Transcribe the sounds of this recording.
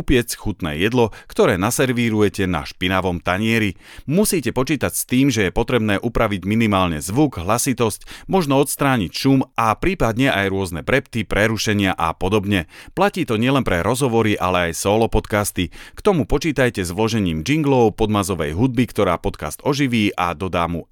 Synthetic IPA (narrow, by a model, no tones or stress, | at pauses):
upɪɛsxut̪nɛ̰ːjɛd̪lɔkt̪ɔɾɛːnasɛɾʋiɾujɛcɛna̰ʃpinaʋɔmt̪aɲɪɛɾi | musiːcɛpɔt͡ʃiːt̪acst̪iːmʒɛjɛpɔt̪ɾɛbnɛːʔupɾaʋiɟminimaːlɲɛzʋuɡɦlasit̪ɔscmɔʒnɔɔt̪st̪ɾaːɲicʃumʔapɾiːpad̪ɲɛʔajɾʊɔznɛbɾɛpt̪ipɾɛɾuʃɛɲɪaʔapɔd̪ɔbɲɛplaciːt̪ɔɲɪɛlɛnpɾɛɾɔzɦɔʋɔɾiʔalɛajsɔːlɔpɔt̪kast̪ikt̪ɔmupɔt͡ʃiːt̪ajcɛzʋlɔʒɛɲiːmd͡ʒiŋɡlɔʊpɔd̪mazɔʋɛ̰jɦud̪̚bikt̪ɔɾa̰ːpɔt̪ka̰st̪ɔʒiʋiːʔad̪ɔd̪aːmu